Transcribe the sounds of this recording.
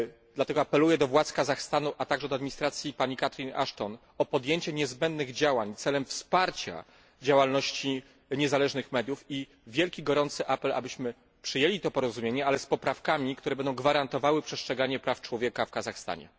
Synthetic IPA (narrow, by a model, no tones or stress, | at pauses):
d̪lat̪ɛɡɔapɛlujɛd̪ɔvwat̪skazaxst̪anuʔat̪aɡʐɛd̪ɔad̪mʲiɲist̪ɾat̪sʲjipaɲikat̪ɾʲina̰ʂt̪ɔn | ɔpɔd̪jeɲt͡ɕɛɲɛzbɛnd̪nɘɣd͡ʑawaɲt̪sɛlɛmfspaɾt͡ɕa̰ | d͡ʑawalnɔɕt͡ɕi | ɲɛzalɛʐnɘxmɛd̪ʲjufi | vʲjɛlkʲiɡɔɾɔnt̪sɘʔapɛla̰bɘɕmɘ | pʂɘjelʲit̪ɔpɔɾɔzumʲjeɲɛalɛspɔpɾafkamʲikt̪uɾɛbɛnd̪ɔ̃w̃ɡvaɾant̪ɔvawɘpʂɛstʂɛɡaɲɛpɾaft͡ʂwɔvʲjekafkazaxst̪a̰ɲɛ̰